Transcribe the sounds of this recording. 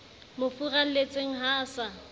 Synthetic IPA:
mofural̩let͡sʼeŋ̩ɦaːsa

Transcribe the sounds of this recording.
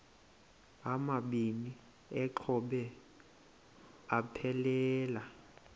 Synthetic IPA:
amaɓini | ɛǃʰɔɓɛ | apʰɛlɛːla

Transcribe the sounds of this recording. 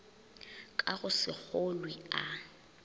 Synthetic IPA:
kʼaɣʊsɪk͡xolwia

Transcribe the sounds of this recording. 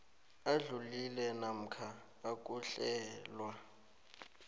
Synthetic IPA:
aɮulilɛnam̩kʰaː | k̬ʼuɬɛːlwa

